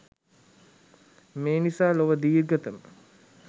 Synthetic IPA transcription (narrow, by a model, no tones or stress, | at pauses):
meːnisaːloʋəd̪iːrɡət̪əmə